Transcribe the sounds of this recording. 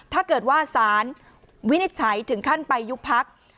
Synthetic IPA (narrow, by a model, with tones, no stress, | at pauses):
t̪ʰaː˥˩kɤː˨˩t̪̚waː˥˩saː˩˦n | wi˦˥ni˦˥t̪̚t͡ɕʰa˩˦jt̪ʰɯ˩˦ŋkʰa˥˩npa˧jːu˦˥k̚pʰa˦˥k̚